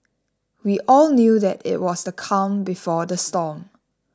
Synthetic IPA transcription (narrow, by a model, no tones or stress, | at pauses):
wiʔɔlnjudɛtɪ̰t̚wɔsdəkʰãnbifɔdəstɔm